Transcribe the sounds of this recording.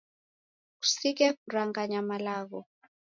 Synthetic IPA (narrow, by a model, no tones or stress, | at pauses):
ku̥sik̬ɛkuraŋɡaɲamalaːɣɔ